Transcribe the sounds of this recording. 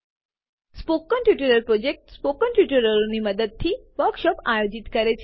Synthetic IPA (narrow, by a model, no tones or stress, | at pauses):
spokːəɳʈjuʈeɾəɾpɾod͡ʒek̚ʈspokəɳʈjuʈəɾəɾoniməd̪əd̪̚t̪ʰiʋəɾkʃɔpajod͡ʒit̪kəɾet͡ʃʰ